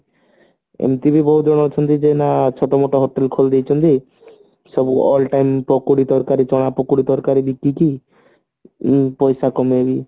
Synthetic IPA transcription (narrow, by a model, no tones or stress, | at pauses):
ḛmt̪ibibɔɦud͡ʒɔɽ̃ɔt͡ʃʰɔnt̪id͡ʒenat͡ʃʰɔt̪ɔmoʈɔɦoʈelkʰold̪ejt͡ʃʰɔnt̪i | sɔbuɔ̰lʈajmpɔkuɽid̪ɔɾkaɾit͡ʃɔɽ̃apɔkuɽid̪ɔɾkaɾibikːiki | pɔjsakɔmebi